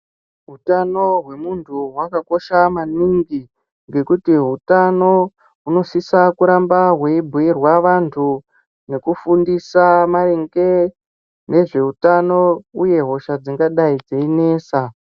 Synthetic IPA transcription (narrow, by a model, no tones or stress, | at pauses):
ɦutano̞ɦwe̞muntʰuɦwakako̞ʃamaniŋɡi | ŋɡe̞kutiɦutano̞ | ɦuno̞sisakuɾambaɦwe̞ibʱuirwaʋantʰu | ne̞kufundisamaɾeŋɡe̞ | ne̞ʐe̞utano̞uje̞ɦo̞ʃad͡ziŋɡaɗaid͡zeine̞ːsa